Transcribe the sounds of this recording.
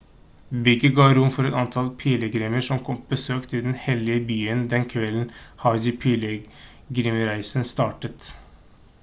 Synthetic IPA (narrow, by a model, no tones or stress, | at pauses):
bɪɡəɡɑːɾʊmfɔɾɛt̪ɑnt̪ʰɑlpʰiːləɡɾɛːməʂɔmkʰɔmpbəsøːkt̪ʰɪd̪nhɛlɪəbyːənd̪ɛnkʰʋɛln̩hɑd͡ʒɪpʰiːlə | ɡɾɪməɾæɪsənst̪ɑːʈət̪